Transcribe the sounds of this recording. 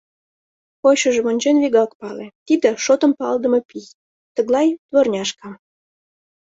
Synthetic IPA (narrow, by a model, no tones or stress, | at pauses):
poɕəʒemonʲd͡ʑenβiɣɑkpɑlet̪id̪ĕʃot̪ə̆mpɑld̪əmɤpij | t̪əɣlɑjt̪βornʲɑʃkɑm